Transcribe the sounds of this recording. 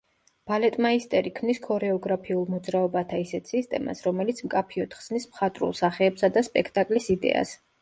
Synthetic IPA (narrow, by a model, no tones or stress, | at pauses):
b̥alɛt̪ʼmaist̪ʼɛɾikʰmniskʰɔɾɛɔɡɾapʰiulˠmɔd̪zɾaɔbat̪ʰaisɛt̪ʰsist̪ʼɛma̰sɾɔmɛlit̪sʰmkʼapʰiɔt̪χz̥nismχat̪ʼɾṵlˠsaχɛːbsad̪aspʼɛkʰt̪ʼakʼlisid̪ɛ̰a̰s